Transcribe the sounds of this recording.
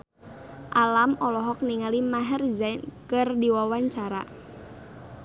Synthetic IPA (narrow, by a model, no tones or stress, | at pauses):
ʔalamɔlɔɦɔk̚niŋalimaɦərizajnkɨrdiwawaɲt͡ʃaɾa̰